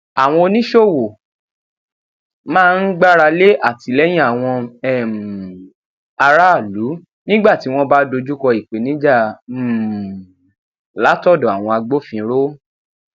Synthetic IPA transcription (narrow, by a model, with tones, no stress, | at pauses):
a˨w̃ɔ̃˧o˧nĩ˦ʃo˦˨wo˨ | mãː˦˧n̩˦ɡ͡ba˦ɾa˧le˦ʔa˦˨ti˧lɛ˦j̃ĩ˦a˨w̃ɔ̃˧ɛ˦˨m˨ | a˧ɾa˦˨lu˨˦ | nĩ˦ɡ͡ba˦˨ti˨˦w̃ɔ̃˦ba˦do˧d͡ʒu˦kɔ˧i˨k͡pe˨˦nĩ˨˦d͡ʒa˦˨ | la˨˦tɔ˦˨dɔ̃˨a˨w̃ɔ̃˧a˧ɡ͡bo˦fĩ˧ɾo˦